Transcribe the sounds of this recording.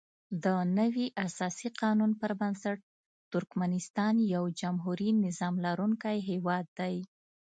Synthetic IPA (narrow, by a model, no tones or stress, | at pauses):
d̪ənəwiʔasɑsiqɑnunpəɾbansaʈ̚ | t̪ʊɾkmanɪst̪ɑnjawd͡ʒamɦuɾinɪzɑmlaɾuŋkajɦewɑd̪ːaj